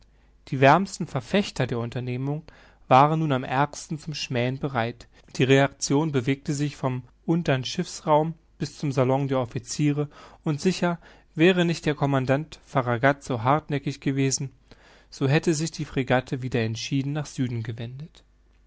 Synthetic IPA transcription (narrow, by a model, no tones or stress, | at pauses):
d̥iːvɛɐmstn̩fɛɐfɛçtʰɐdeːɐʊntɐneːmʊŋ | v̥aːʁənːuːnamʔɛɐkstn̩t͡sʊmʃmɛːənbəʁaɪt | d̥iːʁeak̚t͡sjoːnbəveːk̚təzɪçfɔmʔʊntɐnʃɪfsʁaʊm | b̥ɪst͡sʊmzalɔŋdeːɐʔɔfit͡siːʁəʊntz̥ɪçɐ | vɛːʁ̞ənɪçt̚d̥eːɐkʰɔmandantfaʁaɡatz̥oːɦaɐtnɛkɪçɡ̥əveːzn̩ | z̥oːɦɛtəzɪçd̥iːfʁ̥iɡatʰəviːdɐɛntʃiːdn̩naːχz̥yːdn̩ɡəvɛndət